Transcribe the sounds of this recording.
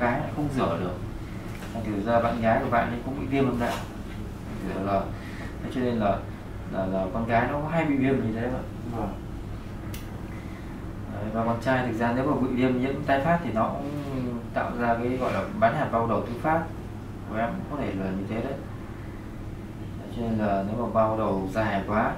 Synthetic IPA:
ɣaː˨˦ja̰ː˧˨jxə˧wŋ͡mzɨ˧˩əɗɨ˨˩ək̚ | kɔ˨˩t̪ʰi˨˩˨zaː˧˩ɓa̰ː˧˨nɣaː˨˦jkəɓa̰ː˧˨nʔə˨˦kʊ̰˧˥ŋ͡mɓḭ˧˨vi˧əmhə˧nɗa̰ː˧˨˧ | zʰɨ˧˩ə˨˩laː˨˩ | t̪ʰə˨˦jt͡ɕɔ˧ne˧nlaː˨˩ | laː˨˩laː˨˩kɔ˧nɣaː˨˦jnɔ˨˦kɔ˨˦ɦa˧jɓḭ˧˨vi˧əm˨˩ɲɨ˧t̪ʰe˨˦ə̰˧˦j | a˨˩˨vaː˨˩kɔ˨˩nt͡ɕaː˧jt̪ʰɨ˨˩k̚zaː˧ne˨˦wmaː˨˩kwḭ˧˨vi˧əmɲḭ˧˥əmt̪aː˧jfaː˦˥p̚t̪ʰi˨˩nɔ˨˦kʊ̰˧˥ŋ͡mt̪a̰ː˧˨wzaː˧kaː˨˦jɣɔ̰˧˨jlaː˨˩ɓaː˨˦nhaː˨˩nɓaː˧wɗə˨˩wt̪ʰɨ˨˦faː˦˥t̚ | ɔ˨˧˩ʔɛ̰˨˦kʊ̰˧˥ŋ͡mkɔ˨˦t̪ʰe˧˩ləː˨˩˨ɲɨ˧t̪ʰe˨˦ɗə˨˦j | a˨˩˦t͡ɕɔ˧ne˧nlaː˨˩ne˨˦wmaː˨˩ɓaː˧ɗə˨˩wzaː˨˩a˨kwaː˨˦

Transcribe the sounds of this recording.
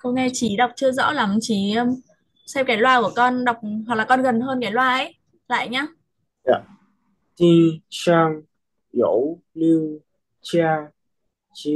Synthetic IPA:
xə˧wŋ͡mŋɛ˧t͡ɕi˨˩˦ɗa˨˩wk͡p̚t͡ɕɨ˧əzɔ̰ː˧˥la˨˦mt͡ɕi˧˩˦ə˧m | sɛ˧p̚kaː˨˦jlwaː˧ku˧˩əkɔ˧nɗa˨˩wk͡p̚ɦa˨˩k̚laː˨˩kɔ˧nɣə˨˩nɦəː˧nkaː˨˩˦jlwaː˧ʔə˧˦j | la̰ː˧˨jɲaː˧ | ʔa˧˨ | t̪i˧saː˧ŋ | jo̰˧˦w | li˧w | t͡ɕa˧ | t͡ɕi˧

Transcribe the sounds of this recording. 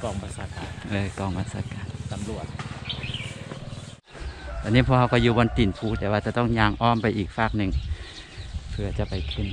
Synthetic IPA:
kɔː˧˩ŋbʰa˧t̪̚saː˧kaː˨˩nʔɤː˧˩kɔː˧˩ŋba˧t̪̚saː˧˦kaː˨˩nsa˨˦mlu˨˩ət̪̚ | t̪ʰaː˧˩niː˥pʰɔ˧˨hɦa˧wkɔː˧˩juː˧bɔ˧˦nt̪i˨˩npʰuː˧˨t̪ɛː˧˩waː˧t͡ɕa˧˦t̪ɔ˥˩ŋɲaː˧ŋʔɔː˧˥˨mpa˨jʔiː˨˩k̚faː˧˩k̚nɯ˨˩ŋ | pʰɯ˧ɐ˧t͡ɕa˧pa˨jkʰɯ˧˩n

